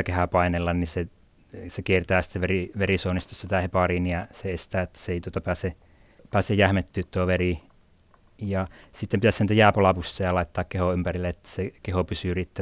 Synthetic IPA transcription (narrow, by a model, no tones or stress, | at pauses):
kehæpɑinelːɑnnise | sekiert̪æːsi̥t̪ːeʋeriʋerisoˑunist̪ossit̪æhepɑˑriˑnijɑseest̪æːet̪ːæ̥seeˑit̪uot̪ɑpæːse | pæːsejjæhmet̪ːyːt̪toʋeri | jɑsit̪ːempit̪æssent̪æjæːpolɑpusːɑjɑlɑˑet̪ːɑːkkehoˑympærilːeet̪ːæ̥sekehopysyyrit̪ːæ